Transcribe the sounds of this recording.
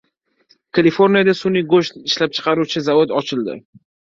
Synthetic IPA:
kʰalifo̞ɾnijad̪asʊnɪɡoʃt̪ɪʃlap̚t͡ʃʰɨ̥qʰɑɾut͡ʃʰɪzavod̪ɒt͡ʃʰɪld̪ɪ̰

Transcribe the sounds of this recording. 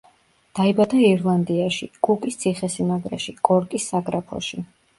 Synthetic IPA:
d̪̥aibad̪aiɾlˠand̪iaʃḭkʼukʼist̪sʰiχɛsinaɡɾɛ̰ʃikʼɔɾkʼisːaɡɾapʰɔ̰ʃi

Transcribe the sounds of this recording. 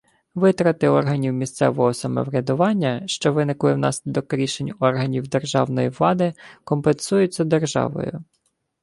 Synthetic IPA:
ʋɪt̪ɾɐt̪ɪɔrɦɐnʲiwmʲist̪sɛ̰ʋɔɦɔsɐmɔ̰ʋɾʲɐd̪ʊʋɑnʲːɐʃt͡ʃɔʋɪnɪklˠɪwnɑsʲlʲid̪ɔkɾʲiʃenʲɔrɦɐnʲiwd̪e̞rʒɑwnɔjiʋlˠɑd̪ɪkɔmpensujʊt͡sʲːɐd̪erʒɑ̰ʋɔ̰jʊ̰

